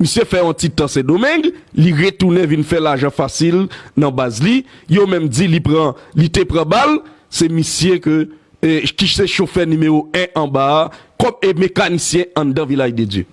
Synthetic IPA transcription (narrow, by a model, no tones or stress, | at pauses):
misjefɛɔ̃tit̪ãsɛdomɛ̃ɡliʁetunɛ̃vinfɛlaʒãfasilnɐ̃bazlijomɛ̃md͡zilipʁãlitepʁãbal | sɛmisjekø | kiseʃofɛnymeʁoɛ̃ʔɐ̃bakɔmemekanisjɛ̃ɐ̃d̪ãvilajded͡zø̰